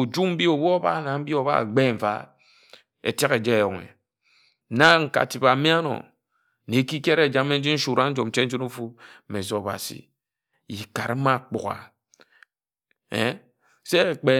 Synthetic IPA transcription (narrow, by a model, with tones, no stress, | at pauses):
u˨d͡ʒu˦m̩˦bi˦o˨bo˦ba̰˦˨na˨m̩˦bi˦o˨βa̰˦˨ɡ͡be˦ɱ̩˨va̰˦ | ḛ˨tja˦ke˨d͡ʒe˦˨jo˨ŋḛ˨ | na˦ŋ̩˨ka̰˨ti˨ba˨˦mi˦a˦nɔ̰˨ | ne˨˦ki˦ke˦ɾe˨d͡ʒa˨˦me˦n̩˦d͡ʒi˦n̩˦ʃu˨ɾa˦n̩˦d͡ʒo˨m̩˨˦t͡ʃe˦n̩˦d͡ʒu˦nu˦fu˦˨me˨zo˨˦˨ba̰˨sḭ˨ | ji˨ka˨ɾe˦ma˦˨k͡pṵ˨ɣa̰˨ | ḛ˦ | se˦˨k͡pe˨